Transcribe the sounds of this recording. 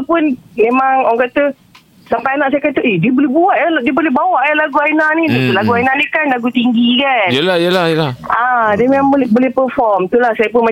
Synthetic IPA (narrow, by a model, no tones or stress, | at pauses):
pʊnmẽmaŋɔŋkat̪ə | sampajanaʔsajkat̪uʔediəbolɛbuat̪̚aldiəbolɛhbawaʔjalaɡuainanidit̪ulaɡuajnanikanlaɡut̪iŋɡikanjəlajəlajəlaʔadimemaŋbolɛbolɛhpərfɔrmt̪ulahsajəp̬ʊnma